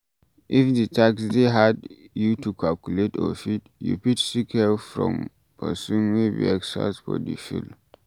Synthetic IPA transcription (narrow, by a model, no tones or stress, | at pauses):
ʔifditʰaksdeɦad | jutukʰalkuletɔ̰fitjṵputsikhɛlfɹɔ̰̃m | pʰəsũnwebḭɛksa̰sfɔ̰dḭfṵl